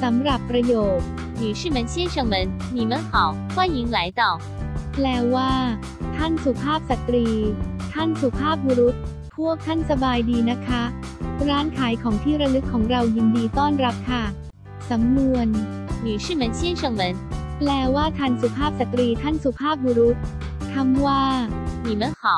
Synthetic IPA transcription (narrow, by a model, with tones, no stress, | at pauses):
sa˩˦mɾa˨˩pːɾa˧joː˨˩t̚ | nyː˨˩ʂɻ̩˥˩mə˨˦nɕɛ˦˥nʂɤ˧ŋmə˨˦˥nːi˨˩mə˨˧˦nkʰa˨˦w | kʰwa˥˩ji˨˦ŋla˨˦jt̪ɔ˨˩ | plɛː˧˥waː˥˩ | t̪ʰa˥˩nsu˨˩pʰaː˥˩p̚sa˨˩t̪ɾiː˧t̪ʰa˥˩nsu˨˩pʰaː˥˩p̚wu˧ɾu˦˥t̪̚ | pʰu˥˩ək̚t̪ʰa˥˩nsa˧baː˧jdiː˧na˦˥kʰa˦˥ | ɾaː˦˥nkʰaː˩˦jkʰɔː˩˦ŋt̪ʰiː˥˩ɾa˧nɯ˦˥kʰːɔː˩˦ŋɾa˧wji˧ndiː˧t̪ɔː˥˩nɾa˦˥p̚kʰa˥˩ | sa˩˦mnu˧ən | nyː˨˩ʂ̩˥˩mə˨˧˦nt͡ɕi˥˩nʂɤ˧ŋmə˨˧˦nplɛː˧waː˥˩t̪ʰa˧nsu˨˩pʰaː˥˩p̚sa˨˩t̪ɾiː˧t̪ʰa˥˩nsu˨˩pʰaː˥˩p̬̚wu˧ɾu˦˥t̪̚ | k̪ʰa˧˥mwaː˥˩niː˨˩mə˧˦nxa˨˩˦w